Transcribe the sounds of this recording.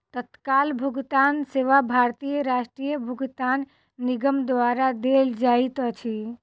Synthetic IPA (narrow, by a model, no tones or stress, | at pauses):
t̪ət̪kalbʱuɡt̪anseʋabʱaɾt̪ijəɾaʃʈɾijəbʱuɡt̪anː | iɡəmd̪ʋaɾad̪eld͡ʒait̪ət͡ʃʰi